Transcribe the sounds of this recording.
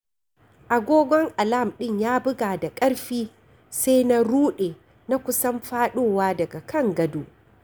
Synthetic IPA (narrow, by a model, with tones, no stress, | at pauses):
ʔa˨ɡʷoː˦ɡʷɔ˦ŋʔa˨la˦˨mɗɪ˦˨ɲjaː˦bʊ˦ɡaː˨da˨kʼɐ˦ɽɸiː˦ | se˦jna˦ɾuː˦ɗeː˨ | na˦kʷʊ˦sɐ˦mɸaː˦ɗoː˦˨waː˦dɐ˨ɡa˨kʰɐ˦˨ŋɡɐ˦duː˨